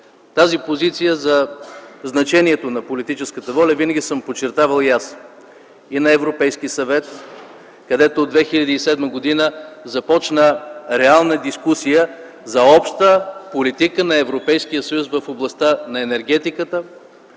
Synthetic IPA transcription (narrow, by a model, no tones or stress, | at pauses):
t̪azipozit̪sijəzɐznɐt͡ʃɛniɛt̪onɐpolit̪it͡ʃɛskət̪əvɔlʲɐvinəɡʲisəmpot͡ʃːɛɾt̪avəlˠjas | inɐɛvɾopɛjsk̟isɐvɛt̪ | kɐd̪ɛt̪oːd̪vɛxilʲɐd̪iːsɛd̪məɡod̪inəzɐpɔt͡ʃnəɾɛalˠnəd̪iskusijə | zɐɔpʃt̪əpolit̪ikənɐɛvɾopɛjsk̟ijəsəjusvəfoblˠɐst̪anɐɛnɛɾɡ̟ɛt̪ikət̪ə